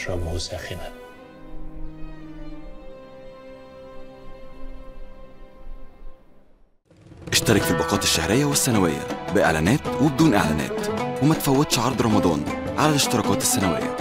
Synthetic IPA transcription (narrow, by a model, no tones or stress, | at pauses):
ɾˤɑbusæxɪnæ | ʔeʃt̪ɑɾˤɑkelbɑqɑːt̪eʃːæhɾejːæwesːænæwejːæ̰bɪʔḛʕlæ̰næːt̪webed̪uːnʔḛʕlæ̰ːnæ̰ːt̪wemæt̪fæwːæd̪ʃʕɑɾˤd̪ˤɾˤɑmɑd̪ˤɑ̰ːn | ʕalælɪʃt̪eɾˤɑːkɑːt̪esːænæwḛjːæ̰